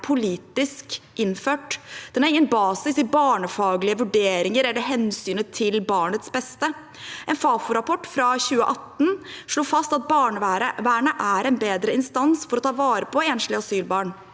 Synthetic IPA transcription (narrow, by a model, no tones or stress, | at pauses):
pʰʊliːt̪ɪskʔɪnføːʈd̪̥ɛnæɾɪŋːənbɑːsɪsɪbɑːɳəfɑːɡlɪəʋʉɖeːɾɪŋəɾɛlːəɾɦɛnsyːnət̪ʰɪlbɑːɳət̪sbɛst̪ə | ʔɛnfɑːfʊɾɑpʰɔʈːfɾɑçʉːə̰ʔɑt̪ːn̩ʂɭoːfɑst̪ɑt̪̚bɑːɳəɾəʋæːɳəʔæɾɛnbeːd̪ɾəɪnst̪ɑnsfɔɾɔt̪ʰɑːʋɑːɾəpʰɔeːnʂlɪɑsyːlbɑːɳ